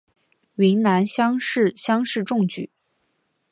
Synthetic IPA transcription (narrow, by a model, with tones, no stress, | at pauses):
ɥi˧˥nna˧˥nɕjɑ˥ŋʂɻ̩˥˩ɕjɑ˥ŋʂɻ̩˥˧ʈ͡ʂʊ˥˧ŋt͡ɕy̰˨˩˦